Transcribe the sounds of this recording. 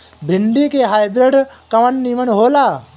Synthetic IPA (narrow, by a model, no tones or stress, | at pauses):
bʱɪnɖ̪ikeɦaːjbɾɪɖkɐʋənːimənɦoːlaː